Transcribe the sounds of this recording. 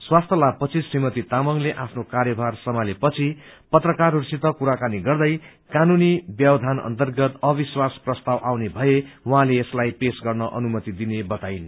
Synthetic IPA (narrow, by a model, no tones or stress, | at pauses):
swast̪ʰjʌlab̚pʌt͡sʰisrimʌt̪it̪amʌŋleʔapʰnokarjʌbʱarsʌmalepʌt͡sʰipʌt̪rʌkarursit̪ʌkuɾakaniɡʌrd̪ʌj | kanunibjʌbʌd̪ʱanʌ̰nt̪ʌrɡʌt̪ʌbiswasprʌst̪awʔawnebʱʌewʌɦãleːslajpesɡʌrnʌʔʌ̰numʌt̪id̪inebʌt̪ajn